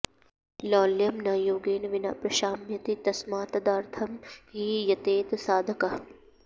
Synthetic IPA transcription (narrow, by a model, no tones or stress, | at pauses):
lɔːljɐmnaːjoːɡeːnɐʋɪna̰pɾɐʃaːmjɐt̪it̪ɐsmaːt̪ɐd̪aːɾt̪ʰɐmɦiːjɐt̪eːt̪saːd̪ʱɐkɐ